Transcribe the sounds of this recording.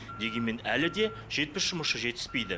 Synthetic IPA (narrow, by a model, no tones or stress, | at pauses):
d̪e̞ɡʲe̞nme̞nælɪd̪e̞ | ʒ̥e̞t̪̚pɪsʒ̥ʊməsəʒe̞t̪ɪ̥zpe̞jd̪ɪ